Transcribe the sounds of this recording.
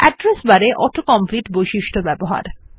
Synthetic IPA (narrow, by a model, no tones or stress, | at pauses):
ɛɖɾesbaɾeʔɔʈokɔmpliʈbojʃiʃʈʰobɛboɦa̰ɾ